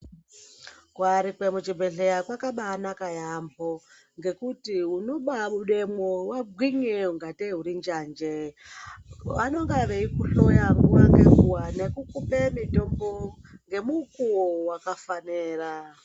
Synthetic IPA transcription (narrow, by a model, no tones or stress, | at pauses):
kwaɾikwemut͡ʃibʱeɬejakwakaɓaːnakajambo | ŋɡe̞kutiɦuno̞ɓamuɗemwowabʱwiɲeuŋɡateɦuɾind͡ʒand͡ʒe | ano̞ŋɡaʋeikuɬojaŋɡuwaŋɡeɦuwanekukupemitombo | ŋɡe̞mukuwowakafaneːra